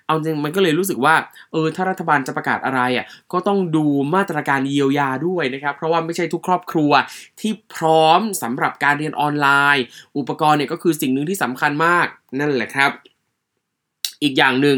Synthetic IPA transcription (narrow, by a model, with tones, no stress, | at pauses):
ʔa˧i˧ma˧nkɔ˥˩ɤː˧jɾuː˦˥s̬ɯ˨˩k̚waː˥˩ʔɤː˧t̪ʰaː˥˩ɾa˦˥t̪ʰːa˧baː˧nt͡ɕa˨˩pɾa˧kaː˨˩t̪̚ʔa˧ɾa˧jʔa˨˩kɔː˥˩t̪ɔ˥˩ŋduː˧maː˥˩t̪ɾaː˧kaː˧nji˧əwjaː˧du˥˩əjna˦˥kʰɾa˦˥pʰːɾɔ˦˥waː˥˩ma˥˩jt͡ɕʰa˥˩jt̪ʰu˦˥kʰːɾɔː˥˩p̚kʰɾu˧ɐt̪ʰiː˥˩pʰɾɔː˦˥msa˩˦mɾa˨˩p̚kaː˧nɾi˧ənʔɔː˧nlaː˧jʔu˨˩pːa˧kɔː˧nːi˥˩kɔː˥˩kʰɯː˧si˨˩ŋnɯ˨˧ŋt̪iː˥˩sa˩˦mkʰa˧nmaː˥˩k̚na˥˩nlɛː˨˩kʰɾa˦˥p̚ | ʔiː˨˩k̚jaː˨˩ŋnɯ˨˩ŋ